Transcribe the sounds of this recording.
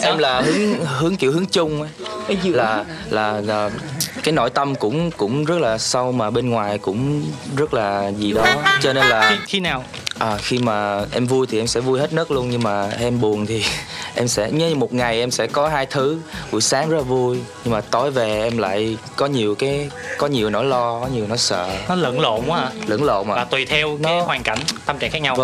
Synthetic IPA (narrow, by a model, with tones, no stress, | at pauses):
ʔɛ˧mlaː˨˩ɦɨ˨˦əŋhɨ˨˦əŋki˧˨əwhɦɨ˨˦ŋt͡ɕʊ˧ŋ͡mʔə˨˦jlaː˨˩ | laː˨˩˨kaː˨˦jno̰˧˩jt̪ə˧mkʊ̰˧˥ŋ͡mkʊ̰˧˥ŋ͡mzə˦˥t̚laː˨˩sa˧wmaː˨˩ɓe˧nŋwaː˨˩jkʊ̰˧˥ŋ͡mzə˦˥t̚laː˨˩zi˨˩ɗɔ˨˦t͡ɕɔ˧ne˧nlaː˨˩i˧naː˨˩w | ʔəː˨˩xi˧maː˨˩ʔɛ˧mvu˧jt̪ʰi˨˩ʔɛ˧msɛ̰˧˥vu˧jhe˦˥t̚nəː˦˥t̚lu˧ənɲɨ˧ŋmaː˨˩ʔɛ˧mɓu˨˩ənt̪ʰi˨˩ʔɛ˧msɛ̰˧˥ɲ˨˦˧mo˨˩t̚ŋa˨˩jʔɛ˧msɛ̰˧˥kɔ˨˦ɦaː˧jt̪ʰɨ˨˦vṵ˧˩jsaː˨˦ŋzə˦˥laː˨˩vu˧əjɲɨ˧ŋmaː˨˩t̪o˧˩jve˨˩ʔɛ˧mla̰ː˧˨jkɔ˨˦ɲi˨˩əwkaː˨˦jkɔ˨˦ɲi˨˩əwnɔ˨˦lɔ˧kɔ˨˦ɲi˨˩əwnɔ˨˦sə̰ː˧˨nɔ˨˦lə̰˧˥˨nlo̰˧˨ŋ͡mwaː˨˧˩lə̰˧˩nlo̰˧˨ʔa̰˧˨aː˨˩t̪wi˨˩t̪ʰɛ˧wnɔ˨˦hwaː˨˩ŋka̰˧˩jŋt̪a˧mt͡ɕa̰˧˨ŋkxaː˦˥k̚ɲa˧wə˧